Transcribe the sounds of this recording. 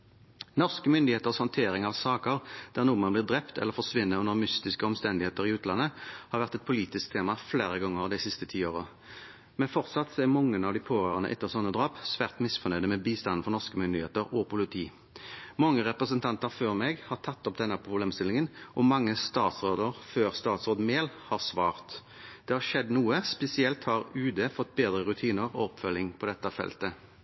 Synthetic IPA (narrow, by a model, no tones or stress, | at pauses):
nɔʁskəmʏnd̪ɪeːt̪əʁshɑnt̪ʰeːʁɪŋɑʋsɑːkəʁd̪̥æʁnuːəmɑnblɪːʁd̪ʁɛpt̪ʰɛ̰lːəʁfɔʁsʋɪnːəʉndəʁmʏst̪ɪskəɔmst̪ɛnd̪ɪheːt̪əʁɪʉːt̪lɑnːəhɑːʁʋæʁt̪ɛt̪pʰʊliːt̪ɪsk̚t̪ʰeːmɑfleːɾəɡɔŋəʁd̪æɪsɪst̪ət̪ʰiːoːʁə | mɛnfɔʁt̪sɑt̪seːmɔŋːənɑʋd̪ɪpʰoːʁøːʁənəʔɛ̰t̪ːəʁsɔnːəd̪ʁɑːpsʋæːʁt̪mɪsfɔʁnœʏd̪əmɛːbiːst̪ɑnːn̩fɔʁnɔʁskəmʏnd̪ɪheːt̪əʁɔpʊlɪt̪ʰiː | mɑŋːəʁɛpɾəsənt̪ʰɑnt̪əʁføːʁmɛɡhɑʁt̪ʰɑt̪ːɔp̚d̪ɛnːəpʰʁʊbleːmst̪ɪlɪŋənʔɔmɑŋːəst̪ɑːt̪sʁoːd̪əɾføːʁst̪ɑːt̪sʁoːd̪meːlhɑʁsʋɑːʁt̪ | d̪̥ɛːhɑʂɛd̪nuːəspɛsɪɛlt̪hɑʁʉːd̪eːfɔt̪ːbeːd̪ɾəʁʉt̪ʰiːnəʁɔɔpfœlːɪŋpʰɔd̪ɛt̪ːəfɛ̰lt̪ə